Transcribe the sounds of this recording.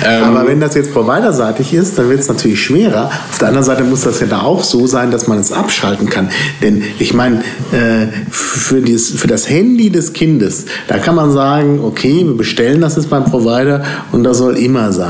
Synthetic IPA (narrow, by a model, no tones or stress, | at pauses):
ʔʔaːbɐvɛndasjɛt͡spʁ̥ovaɪdɐzaːtɪçɪst̚d̥anvɪɐtɛsnatʰyːɐlɪçʃv̥eːʁɐʔaʊfdeːɐʔandɐnzaɪtəmʊsd̥asjaːdaːaʊxz̥oːzaɪndasmanɛsʔapʃaltn̩kʰand̥ɛnʔɪçmaɪnəʔɛːffyːɐdiːsfyːɐdashɛndidɛskʰɪndəs | d̥a̰ːkʰanmanzaːɡŋ̩ʔokʰeːviːɐbəʃtɛləndas̬jɛt͡sb̥aɪmpʁ̥ovaɪɾɐ | ʊnt̚d̥asz̥ɔlʔɪmɐzaɪn